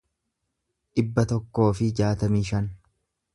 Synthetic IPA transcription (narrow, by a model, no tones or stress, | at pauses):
ᶑɪbːɐt̪ɔkːo̞ːfɪd͡ʒaːt̪ɐmiːʃɐn